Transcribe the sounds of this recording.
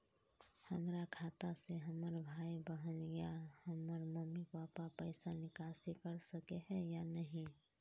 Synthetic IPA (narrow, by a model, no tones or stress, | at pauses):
həmɾakʰaːt̪aseɦəməɾbʱaːibəɦənɡəjahəməɾməmːipaːpapəɪsanɪkaːsikəɾsəkeɦɛjanəɦĩ